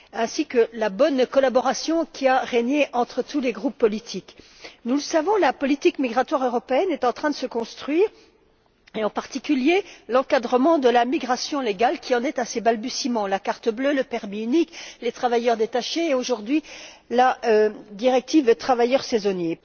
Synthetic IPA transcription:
ɛ̃sikəlabɔnkɔlabɔʁasjɔ̃kʲʰiaʁeɲeʔɑ̃t̪χət̪uleɡʁupːɔlit̪ʰik | nuləsavɔ̃lapɔlit̪ikmiɡʁat̪waʁøʁɔpeɛnɛt̪ɑ̃t̪χɛ̃d̪əsəkɔ̃st̪χɥiːʁ | eɑ̃paʁt̪ikʲyljelɑ̃kad̪ʁəmɑ̃d̪əlamiɡʁasjɔ̃leɡalkʲiɑ̃nɛt̪asebalbysimɑ̃lakaʁt̪əbløləpɛʁmiyniklet̪χavajœʁd̪et̪aʃeːoʒuʁd̪ɥilad̪iʁɛk̚t̪ivət̪χavajœʁsezɔnje

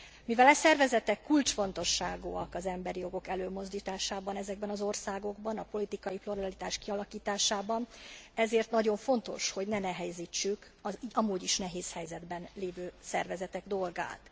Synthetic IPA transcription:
mivɛlɛsɛrvɛzɛt̪ɛkːult͡ʃfo̞nt̪o̞ʃːaːɡuːɒkɒzɛmbɛɾijo̞ɡo̞kɛløːmo̞zd̪iːt̪aːʃaːbɒnɛzɛɡbɛnɒzo̞rsaːɡo̞ɡbɒnɒpo̞lit̪ikɒjiploɾɒlit̪aːʃkiɒlɒkiːt̪aːʃaːbɒnɛzeːrt̪nɒɟo̞ɱfo̞nt̪o̞̰ʃho̞ɟnɛnɛɦɛjziːt͡ʃːyk | ɒiɒmuːɟiʃnɛɦeːshɛjzɛd̪bɛnleːvøːsɛ̰rvɛzɛt̪ɛɡd̪o̞lɡa̰ːt̪

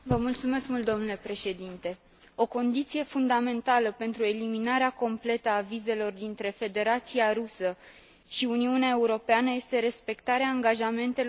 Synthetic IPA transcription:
vəmult̪sume̞skmult̪d̪o̞mnule̞pɾe̞ʃe̞d̪int̪e̞ | o̞ko̞nd̪it̪sije̞fund̪ame̞nt̪aləpe̞nt̪ɾue̞liminaɾeako̞mple̞t̪əavize̞lo̞rd̪int̪ɾe̞fe̞d̪e̞ɾat̪siaɾusə | ʃiuniuneae̞uɾo̞peanəje̞st̪e̞ɾe̞spe̞kt̪aɾeaːŋɡaʒame̞nt̪e̞l

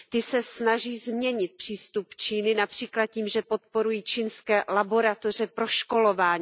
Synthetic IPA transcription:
t̪ɪsɛsnaʒiːzmɲɛɲɪt̪̚pr̥iːst̪upt͡ʃiːnɪnapr̥iːklat̪̚ciːmʒɛpo̞t̪̚po̞ɾujiːt͡ʃinskɛːlabo̞ɾat̪o̞r̝ɛpɾo̞ʃko̞lo̞vaːɲiː

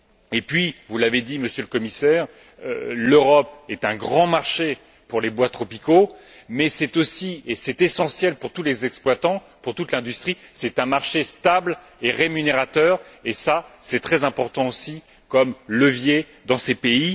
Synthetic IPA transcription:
epɥivulaved̪iməsjøləkɔmisɛːʁ | ø̰løʁɔpɛt̪ɛ̃ɡʁɑ̃maʁʃe | puʁlebwat̪χɔpiko | mɛsɛt̪osiesɛt̪esɑ̃sjɛlpuʁt̪ulezɛksplwat̪ɑ̃ | puʁt̪ut̪lɛ̃d̪yst̪χisɛt̪ɛ̃maʁʃest̪abl | eʁemyneʁat̪œːʁesasɛt̪χɛzɛ̃pɔʁt̪ɑ̃osi | kɔmləvje | d̪ɑ̃sepei

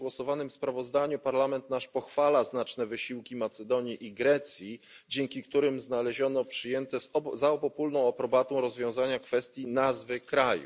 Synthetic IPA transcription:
wɔsɔvanɘmspɾavɔzd̪aɲupaɾlamɛnt̪naʂpɔxfalaznat͡ʂnɛvɘɕiwkʲimat̪sɛd̪ɔɲiʔiɡɾɛt̪sʲji | d͡ʑɛŋkʲikt̪uɾɘmznalɛʑɔnɔpʂɘjɛnt̪ɛzaɔpɔpulnɔ̃w̃apɾɔbat̪ɔ̃w̃ɾɔzvʲjɔ̃w̃zaɲakfɛst̪ʲjinazvɘkɾajṵ

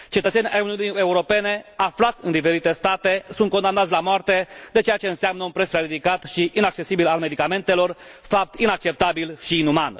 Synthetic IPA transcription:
t͡ʃe̞t̪ət̪senʲʔa̰juniunie̞uɾo̞pe̞ne̞aflat̪sʲɨnd̪ife̞ɾit̪e̞st̪at̪e̞sunt̪̚kod̪amnat̪sʲlamoart̪e̞d̪e̞t͡ʃe̞jat͡ʃe̞ɨnseamnəunpɾe̞spɾeɾid̪ikat̪ʃiʔinak̚t͡ʃe̞sibilalme̞d̪ikame̞nt̪e̞lo̞rfap̚t̪inak̚t͡ʃep̚t̪abilʃiːnuman

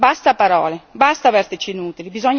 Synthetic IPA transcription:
bast̪apaɾɔːlebast̪avɛɾt̪ɪt͡ʃinuːt̪ilibizɔɲː

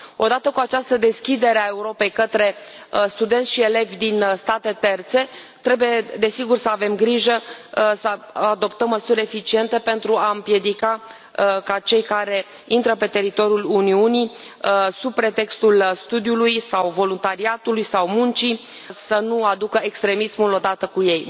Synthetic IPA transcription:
o̞d̪at̪əkuat͡ʃast̪əd̪e̞skʲid̪e̞ɾeae̞uɾo̞pe̞jkət̪ɾe̞st̪ud̪e̞nt̪sʲʃie̞le̞vʲd̪inst̪at̪e̞t̪e̞rt̪se̞ | t̪ɾe̞bujed̪e̞siɡursəave̞mɡɾiʒəsəad̪o̞pt̪əmːəsuɾʲe̞fit͡ʃie̞nt̪e̞pe̞nt̪ɾuaɨmpje̞d̪ika | kat͡ʃe̞jkaɾe̞ | int̪ɾəpe̞t̪e̞ɾit̪o̞ɾjuluniuni | sub̚pɾe̞t̪e̞kst̪ulst̪ud̪ijulujsawvo̞lunt̪aɾiat̪ulujsawmunt͡ʃi | sənuad̪ukəe̞kst̪ɾe̞mismulo̞d̪at̪əkuje̞j

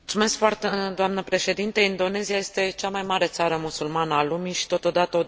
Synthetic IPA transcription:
ut̪sume̞skfoart̪ed̪oamnəpɾe̞ʃe̞d̪int̪əind̪o̞ne̞ziaje̞st̪e̞t͡ʃamajmaɾe̞t̪saɾəmusulmanəalumiʃi̥t̪o̞t̪o̞d̪at̪əo

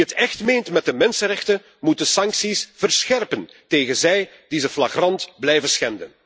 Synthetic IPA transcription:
ətɛxtmejntmɛt̚dəmɛnsənrɛxtə | mut̚əsɑŋksisv̥ərsxɛrpən | teːɣənzɛj | d̥izəflaxrɑntblɛjvəsxɛndən

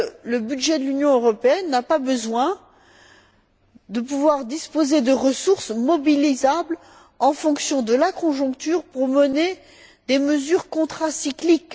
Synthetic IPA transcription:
ləbyd̪ʒɛd̪əlynjɔ̃øʁɔpeɛnːapabəzwɛ̃ | d̪əp̬uvwaʁd̪ispozed̪əʁəsuʁsmɔbilizabl | ɑ̃fɔ̃ksjɔ̃d̪əlakɔ̃ʒɔ̃kt̪yʁpuʁməne | d̪eməzyʁkɔ̃t̪χasiklik

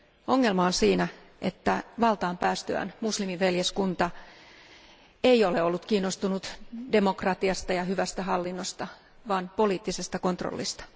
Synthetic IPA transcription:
o̞ŋːe̞lmɑonsiːnæ | ʔet̪ːæʋɑlt̪ɑːmpæːst̪øæ̰nmuslimiʋʋeljeskunt̪ɑ | eioleolːut̪kiːnːost̪unut̪de̞mo̞krɑt̪iɑst̪ɑjɑhyʋæst̪æɦɑlːinːo̞st̪ɑ | ʋɑːnpo̞liːt̪ːise̞st̪ɑko̞nt̪ro̰lːḭst̪ɑ̥

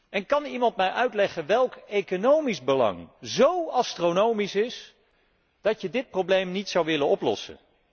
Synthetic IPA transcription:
ʔɛnkɑnimɑntmɛjʔœɥtlɛχənʋɛlˠkejkonowmizbəlɑ̰ŋzowɑstronowmisɪs | d̥ɑtjədɪt̚prowblejmnitsɑwʋɪlənɔplɔ̰sə̰n

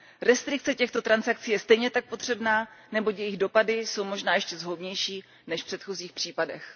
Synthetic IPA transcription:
ɾɛst̪ɾɪk̚t͡sɛcɛxt̪o̞t̪ɾansak̚t͡siːjɛst̪ɛjɲɛt̪ak̚po̞t̪r̝̥ɛbnaːnɛbo̞cjɛjɪɣdo̞padɪso̞wmo̞ʒnaːjɛʃcɛzɦobɲɛjʃiː | nɛʃfpr̥ɛt̪xoziːxpr̝̥iːpadɛx

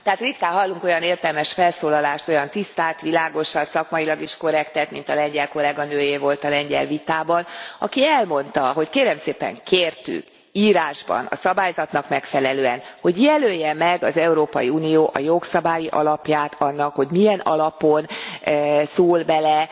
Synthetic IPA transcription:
t̪ɛaːt̪rit̪kaːɦɒlːuŋko̞jɒneːrt̪ɛlmɛʃfɛlsoːlɒlaːʃt̪o̞jɒnt̪ist̪aːt̪ʋilaːɡo̞ʃɒnsɒkmɒjilɒɡiʃko̞ɾɛkt̪ɛt̪mint̪ɒlɛɲɟɛlko̞lɛɡɒnøːjeːvo̞lt̪ɒlɛɲɟɛ̰lvit̪aːbɒnɒ̰kiɛlmo̞nt̪ɒɦo̞ckeːɾɛmseːpɛ̰ŋkʰeːrt̪y̰k | iːɾaːʒbɒ̰nɒ̰sɒbaːjzɒt̪nɒkmɛkfɛlɛløːɛnho̞ɟjɛløːjːɛmɛɡɒzɛuɾoːpɒjiuːnijoːʔɒjo̞ksɒbaːjiʔɒ̰lɒpjaːt̪ʰɒnːɒkho̞ɟmijɛnɒ̰lɒpo̞n | soːlbɛlɛ

